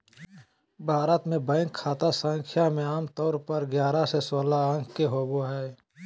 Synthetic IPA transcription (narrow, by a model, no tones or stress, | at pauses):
bʱaːɾət̪mẽbə̃ːŋkʰːaːt̪asə̃ŋkʰjamẽaːmt̪ɔːɾpəɾɡjaːɾasesoːlaə̃ŋkkeɦoːɡoɦɛː